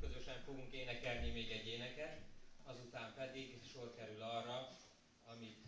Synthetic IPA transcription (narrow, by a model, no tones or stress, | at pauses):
kø̞zø̞ʃɛɱfo̞ɡuŋkeːnɛkɛlnimeːɡɛɟːeːnɛkɛt̪ɒzut̪aːmpɛd̪iɡʃorkɛɾylɒrːɒ | ɒmit̪